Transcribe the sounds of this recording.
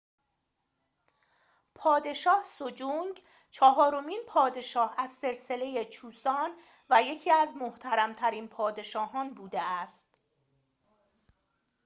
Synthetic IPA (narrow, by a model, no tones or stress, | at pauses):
pʰɒːd̪e̞ʃɒːhsod͡ʒuŋɡ | t͡ʃʰɒːɦɒːɾo̞miːnpʰɒːd̪e̞ʃɒːhæzse̞ɾse̞le̞jet͡ʃʰuːsɒːn | væje̞cʰiːæzmoht̪ʰæɾæmt̪ʰæɾiːnpʰɒːd̪e̞ʃɒːɦɒːnbuːd̪eæst̪